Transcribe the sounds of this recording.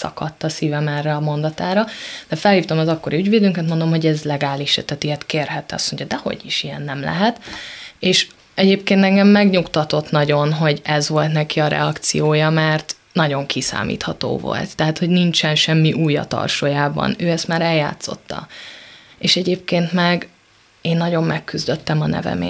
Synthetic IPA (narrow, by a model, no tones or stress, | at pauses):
sɒ̰kɒt̪ːɒsiːvɛmɛrːɛɒmo̞nd̪ɒt̪aːɾɒd̪̥ɛfɛlhiːft̪o̞mɒzɒkːo̞ɾiyɟveːd̪yːŋkɛt̪mond̪o̞mɦo̞ɟɛzlɛɡaːliʃɛ̰t̪ɛt̪iɛt̪keːrɦɛt̪ːɛɒ̰smoɲɟɒd̪ɛho̞̰ɟiʃijɛnːɛmlɛ̰ɦɛt̪eːʃ | ɛɟeːp̚keːnt̪ɛŋɡɛmːɛɡɲukt̪ɒt̪ot̪nɒɟo̞nɦo̞ɟɛzvo̞lt̪nɛkiɒɾʔɛ̰ɒkt̪sḭjoːjɒmɛrt̪ | nɒɟo̞ŋkʰisa̰ːmḭːt̪hɒt̪o̰ːvo̞̰lt̪ːɛɦaːt̪hoɟnint͡ʃɛnʃɛmːiʔuːjɒ̰t̪ɒ̰rʃoːjaːbɒ̰nøːɛst̪maːɾɛlja̰ːt̪so̞̰t̪ːɒ̰ | eːʃɛɟeːp̚keːnt̪mɛɡ | eːnːɒɟo̞mːɛkːyzd̪øt̪ːɛmɒnɛ̰vɛ̰mḛː